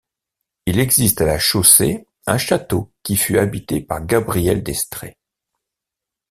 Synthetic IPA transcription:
ilɛɡzist̪alaʃose | ɛ̰̃ʃat̪okʲifyabit̪epa̰ʁɡabʁijɛld̪ɛst̪χḛ

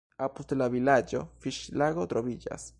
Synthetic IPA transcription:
apust̪elaβilad͡ʒo̰fiʃlaɣot̪ɾoβiʎa̰s

